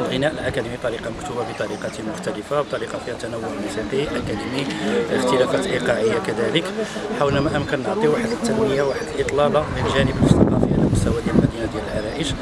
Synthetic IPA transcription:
lɣənæʔəlʔakæd̪imit̪ˤɑɾiqɑmʊkt̪ubabət̪ˤɑɾiqɑt̪mʊxt̪æləfawt̪ˤɑɾiqɑfihæt̪ːænæwːʊʕmusiqiʔakæd̪imiəxt̪əlæfæt̪ʔiqɑʕəjːakæd̪æləkħawlæmæʔəmkənːəʕt̪ˤiwaħəd̪ət̪ːænməjawaħəd̪əlʔət̪ˤlɑlɑbənʒænəbəst̪ɑ̰qɑfiʕa̰læ̰mʊst̪æwad̪jælmæd̪inad̪jæləlʕaɾæʔəʃ

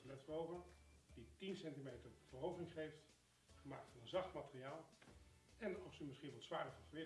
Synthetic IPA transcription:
lɛtsbowɣəɹditinsɛntimejtərv̥ərowvərɪŋχejft | χəmaːk̚tfɑnənzɑχtmatəriaːlˠ | ɛnɔsəmɪsχinʋɔlˠtsʋaːdəvɑnvəʋɪ

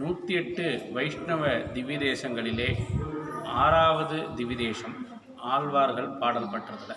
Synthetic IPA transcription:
nuːt̪ɪɛʈːɯʋɐɪʂɳɐʋɐd̪ɪʋɪðeːsɐŋɡɐɭɪleː | aːɾaːʋɐðɯd̪ɪʋɪðeːsɐm | aːlʋaːɾɣɐɭpaːɽɐlpːɐʈːrɐðlɐ

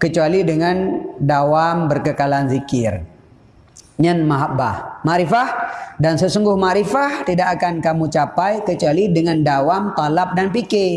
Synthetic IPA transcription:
kət͡ʃualidəŋandawambərkəkalanzikɪr | ɲanmaɦabahmaɾifahdansəsuŋɡʊhmaɾifaht̪idakːakankamut͡ʃapajkət͡ʃualidəŋandawamt̪alap̚danpike

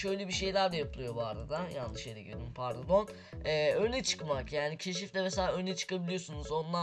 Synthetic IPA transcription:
ʃø̞jlʲɛbiʃe̞jlʲæɾd̪ajapɯlˠɯjo̞bua̰ɾad̪ajanːɯʃeɾɛɟid̪umpʰaɾd̪ad̪o̞n | ɛːønɛt͡ʃʰɯ̥kmakjaːnicʰe̞ʃ̬ift̪ɛmeselʲaːønɛt͡ʃʰɯ̥kabilʲijo̞sunuzo̞nlːˠa

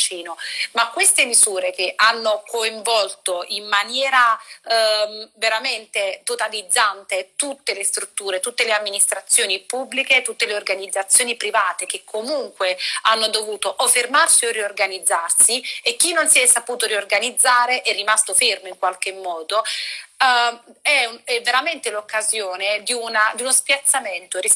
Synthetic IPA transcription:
t͡ʃiːnomakwest̪emizuːɾek̟eʔanːokoiɱvɔlt̪oʔimːanjɛːɾa | veɾament̪et̪ot̪alid̪zːant̪et̪ut̪ːelest̪ɾut̪ːuːɾet̪ut̪ːeleamːinist̪ɾat̪sːjoːnipubːliket̪ut̪ːeleorɡanid̪zːat̪sːjoːnipɾivaːt̪ek̟ekʰːomuŋkweanːod̪ovuːt̪oʔofermarsioriorɡanid̪zːarsiekːinːonsiɛsːapuːt̪oɾiorɡanid̪zːaːɾeʔɛrːimast̪ofermoiŋkwalk̟emːɔːd̪o | ɛɛvːeɾament̪elokːazjoːned̪iunad̪iunospjat̪sːament̪ori

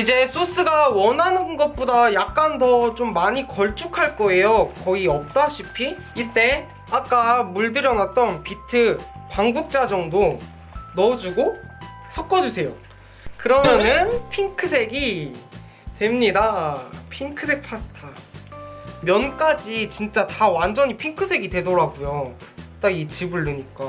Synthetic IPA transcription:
id͡ʑe̞s͈ʰos͈ɯɡawʌnɦanɯnɡʌt̚p͈odajak̚k͈antʌt͡ɕomːaɲikʌɭt͡ɕ͈ukʰaɭk͈ʌe̞jokʌiʌp̚t͈aɕʰipʰiː | t͈e̞ | ak͈amuɭdɯɾjʌnat̚t͈ʌnpitʰɯpaŋɡuk̚t͡ɕ͈ad͡ʑʌŋdo | nʌd͡ʑuɡo | sʰʌk̚k͈ʌd͡ʑusʰe̞jo | kɯɾʌmjʌnɯnpʰiŋkʰɯsʰe̞ɡi | twe̞mɲidapʰiŋkʰɯsʰe̞k̚pʰasʰɯ̥tʰa | mjʌnk͈ad͡ʑit͡ɕint͡ɕ͈atawand͡ʑʌɲipʰiŋkʰɯsʰe̞ɡitwe̞doɾaɡujot͈ait͡ɕibuɭːɯɲik͈a

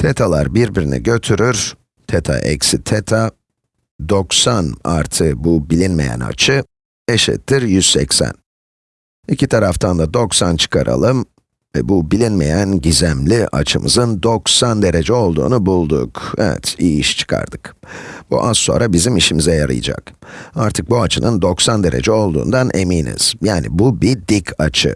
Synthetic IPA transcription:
t̪ʰet̪ʰalˠaɾbiɾbiɾinḭɟø̞t̪ʰyɾyɾ̥ | t̪ʰet̪ʰa̰ʔɛcsit̪ʰet̪ʰa | d̪o̞ksana̰ɾt̪ʰɯbubilʲinme̞̰jæ̰na̰t͡ʃʰɯ | eʃɛ̰t̪ʰːiɾjyz̥sɛcsæ̰n | icʰit̪ʰaɾaft̪ʰand̪ad̪o̞ksant͡ʃʰɯ̥kʰaɾa̰lˠɯm | vɛbubilʲinme̞jænɟizæmlʲiʔa̰t͡ʃʰɯmɯ̰zɯnd̪o̞ksand̪e̞ɾe̞d͡ʒɛo̞lˠd̪ṵːnubulˠd̪ukɛvɛ̰t̪ijiʃt͡ʃʰɯ̥kʰa̰ɾd̪ɯkb̥ṵʔazso̞nɾabizimiʃimizɛjaɾɯ̰jɯ̰d͡ʒa̰kaɾt̪ʰɯk̚buat͡ʃʰɯnɯnd̪o̞ksand̪eɾʔe̞̰d͡ʒɛo̞lˠd̪ṵːnd̪anʔemiːnḭz̥jaːnḭbubid̪icʰat͡ʃʰɯ̰

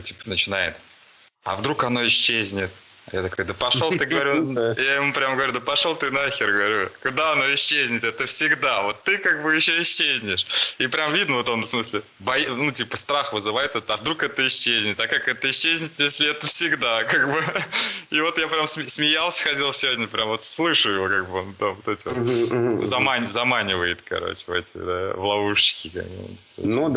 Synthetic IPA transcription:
tʲi̥pə̥nət͡ɕɪnajɪ̰t̪̚ | ɐ̰vd̪ɾukɐno̞ɪɕːezʲnʲɪt̪̚ | a̰jat̪ɐkod̪əpɐʂolˠt̪ɨɡəvɐɾʲujajɪmupɾʲamɡəvɐɾʲud̪əpɐʂolˠt̪ɨnaxʲɪrɡəvɐɾʲukʊd̪aɐno̞ɪɕːezʲnʲɪt̪ɛt̪əfsʲɪɡd̪avo̞t̪ːɨkaɡ̚bɨjɪɕːoɪɕːezʲnʲɪʂipɾʲamvʲid̪nəvo̞t̪onfsmɨsʲlʲɪ | bɐjinutʲipəst̪ɾaxvɨzɨvajɪt̪ɛt̪əɐvd̪ɾukɛt̪əɪɕːezʲnʲɪt̪ʲakakɛt̪əɪɕːezʲnʲɪt̪ʲjesʲlʲɪɛt̪əfsʲɪɡd̪akaɡbɨ | ivo̞t̪japɾʲamsmʲɪsmʲɪjalˠsʲə̥xɐtʲelˠsʲɪvodʲnʲəpɾʲʔamvo̞t̪slˠɨʂɨjɪvokaɡ̚bɨont̪avot̪ɛtʲɪvoo̰zɐmanʲzɐmanʲɪvəjɪt̪kɐ̰ɾo̰t͡ɕɪv̰ɛtʲɪ̰d̪a̰vlˠɐvuʂɕɪ̥kʲɪka̰kt̪o̰nud̪

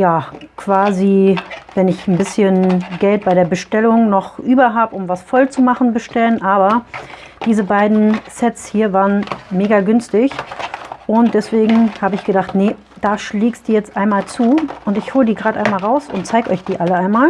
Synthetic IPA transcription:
jaːkʰv̥aːzivɛnɪçn̩bɪsçənɡɛlt̚b̥aɪɾeːɐbəʃtɛlʊŋnɔχʔyːbɐɦaːbəʊmvasfɔlt͡sumaχn̩bəʃtɛlənʔaːbɐ | d̥iːzəbaɪdn̩sɛtt͡shiːɐvaːʁənmeːɡaɡʏnstɪç | ʔʊnt̚d̥ɛsv̥eːɡŋ̩haːbəɪçɡ̥ədaχtnə | d̥aːʃliːkstd̥uːjɛt͡stʔaɪnmaːlt͡suːʔʊntɪçhoːlədiːɡʁaːdʔaɪnmaːlʁaʊsʊ̰ntt͡saɪɡəʔɔʏçd̥iːʔaləaɪnmaːl

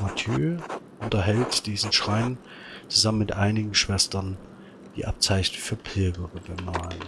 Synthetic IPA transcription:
matʰjøːʔʊntɐɦɛltd̥iːzn̩ʃʁ̥aɪn | t͡suzamənmɪtʔaɪnɪɡŋ̩ʃv̥ɛstɐn | d̥ḭːʔap̚t͡saɪçnəfyːɐpʰɪlɡəʁəɡəmaːlən

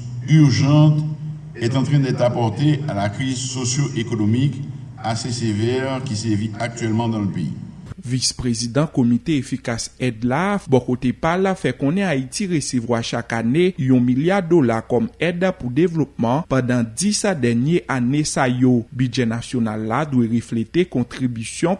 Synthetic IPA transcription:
yʁʒɑ̃t̪ | ɛt̪ɑ̃t̪χɛ̃d̪ɛt̪apɔʁt̪ealakχizsosjoʔekɔnɔmik | asesevɛʁkisɛviak̚t̪ɥɛlmɑ̃d̪ɑ̃ləpeḭvispʁezid̪ɑ̃kɔmit̪eefikasɛd̪labɔkot̪epalfɛkɔ̃nɛait̪iʁesevwaʃakanejɔ̃miljaʁd̪olakɔmɛdpud̪evlɔp̚mɑ̃pɑ̃d̪ɑ̃d̪isad̪ɛʁnjeʔanesajobyʒɛnasjonalːad̪wɛʁeflet̪ekɔ̃t̪ʁibysjɔ̃

